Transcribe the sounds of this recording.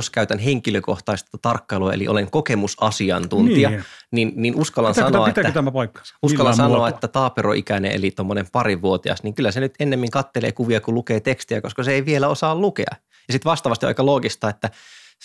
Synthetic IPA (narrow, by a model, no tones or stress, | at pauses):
oskæyt̪ænɦeŋkiløkoht̪ɑist̪ɑt̪ɑrkːɑiluɑḛlḭʔo̰leŋkokemusɑsiɑnt̪unt̪iɑninninʔuskɑlːˑɑnsɑnɑet̪æk̪ːæt̪æmæpɑikːɑ̥uskɑlːɑnsɑnoɑet̪ːæt̪ɑːpeɾoʔikænḛʔḛlit̪omːonempɑɾiʋʋuot̪iɑ̰sniːŋkylːæsenyt̪enːemːiŋkɑt̪ːelḛːkuʋiɑkulukeːt̪ekst̪iækoskɑseeiʋielæosɑːllukḛɑ̰ | jɑsit̪ʋɑst̪ɑʋɑst̪iɑ̰ikɑloːɡist̪ɑːet̪ːæ